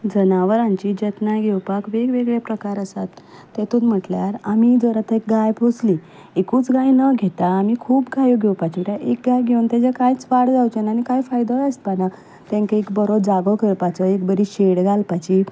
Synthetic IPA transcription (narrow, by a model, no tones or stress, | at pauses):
d͡zənaʋəɾãɲt͡ɕid͡ʑet̪najɡʱewpakʋeɡʋeɡɭepɾəkaɾəsat̪ː | et̪unm̤əʈljaɾamid͡zəɾət̪ʰəek̚ɡajpʰosli | ekuːt͡sɡajnəɡʱet̪aːmikʰuːpɡajoɡʱɛwpat͡ɕiʈaʔek̚ɡajɡʱeunt̪ad͡ʑakajt͡sʋaɽd͡zawt͡ɕenanikajfajd̪ɔəspana | t̪ẽŋkaekbəɾod͡zaɡəkʰəɭpat͡səekbəɾiɕeɽɡalpat͡ɕi